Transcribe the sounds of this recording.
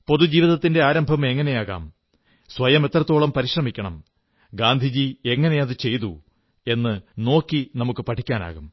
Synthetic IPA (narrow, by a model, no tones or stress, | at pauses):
po̞ðud͡ʑiːʋiðɐt̪ːinde̞aːɾɐmbʱɐme̞ŋːɐne̞jaːɣa̰ːm | sʋɐjɐme̞t̪ːrɐt̪ːo̞ːɭɐmpɐɾiʂrɐmikʲːɐɳɐm | ɡaːnd̪ʱid͡ʑie̞ŋːɐne̞jɐðɨt͡ɕe̞jt̪u | e̞nːɨno̞ːkːinɐmukːɨpɐʈʰikʲːaːna̰ːɣum